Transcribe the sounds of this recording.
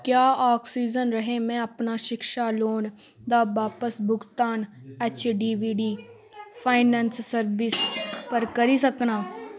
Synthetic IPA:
kjaːaːksiːd͡ʒənɾəɦẽmɛ̃ːəpnaːʃɪkʃaːloːn | d̪aːbaːpəsbʱʊɡt̪aːn | ɛːt͡ʃɖiːʋiːɖiː | pʰaːɪnɛ̃ːnsːəɾʋɪspəɾkəɾiːsəknaː

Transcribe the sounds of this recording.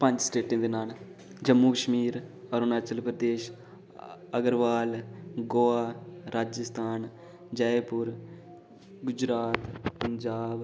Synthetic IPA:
pə̃ɲd͡ʒsʈeːʈẽːd̪eːnaːld͡ʒəmːuːkəʃmiːɾəɾnaːt͡ʃəlpɾəd̪eːʃ | əɡəɾʋaːlɡoːaːɾaːd͡ʒəst̪ʰaːn | d͡ʒəepʊɾ | ɡʊd͡ʒɾaːt̪pəɲd͡ʒaːb

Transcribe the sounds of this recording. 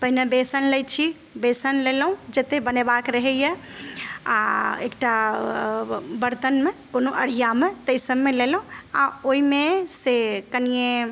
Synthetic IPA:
p̪əɦinebesənləjt͡ʃʰi | besənlelɦũd͡ʒet̪ebənebakɾəɦɛjɛ | a̰ḛkʈa | bəɾt̪ənmekonoʔəɽ̤ijamet̪əɪsəbmelelɦũa̰oimesekənije

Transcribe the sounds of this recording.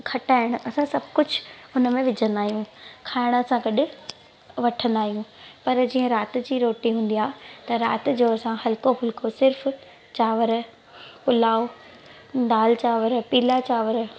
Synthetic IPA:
kʰɐʈaːɪɽ̃ʊ̆ʔɐsãsɐbʱkʊd͡ʑʱʊnəmẽʋɪd͡ʑʱə̃nd̪aːɦijũkʰaːɪɽ̃əsãɡɐɗʊ̆ | ʋɐʈʰə̃nd̪aːɦijũːpɐɾd͡ʑiːə̃ɾaːt̪ɪ̆d͡ʑiːɾoːʈiɦũːnd̪ijaːt̪ɐɾaːt̪ɪd͡ʑoɐsãɦɐlkobʱʊlkʰosɪɾf | t͡ɕaːʋəɾ | pʊlaːo | ɖ̪aːlt͡ɕaːʋəɾpiːlat͡ɕaːʋəɾ

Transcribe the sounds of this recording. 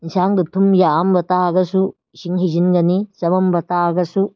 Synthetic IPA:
insaːnɡɯt̪ʰːumjambɐt̪aɡɐsu | ʃiŋɦid͡ʒinɡɐnisɐbɐmbɐt̪aɡɐsu

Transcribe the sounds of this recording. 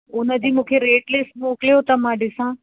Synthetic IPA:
ʊnə̆d͡ʑiːmũːkʰeɾeːʈlɪsmoːklijot̪ɐmãːɖɪsãː

